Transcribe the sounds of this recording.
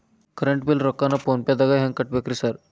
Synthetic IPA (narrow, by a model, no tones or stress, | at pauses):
kɾeɳʈbilɾɔkːanaponpjad̪əɡajɦɛ̃ŋkəʈ̚bekɾisaɾ